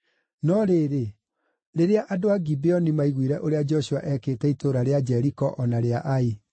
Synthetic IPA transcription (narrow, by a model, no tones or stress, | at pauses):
nɔɾeːɾe | ɾeɾeaʔadoaɡibeɔnimaiɣwiɾɛʔoɾead͡ʒɔɕuaʔɛkeːtɛitoɾaɾead͡ʒɛɾikɔʔɔnaɾeaʔai